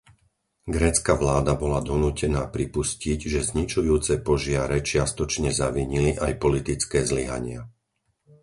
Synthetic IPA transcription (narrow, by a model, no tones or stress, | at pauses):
ɡɾɛːt͡skaʋlaːd̪abɔlad̪ɔnuːcɛnaːpɾipusciɟʒɛzɲit͡ʃujuːt͡sɛpɔʒɪaɾɛt͡ʃɪast̪ɔt͡ʃɲɛzaʋiɲiliʔajpɔlit̪it͡skɛːzliɦa̰ɲɪa̰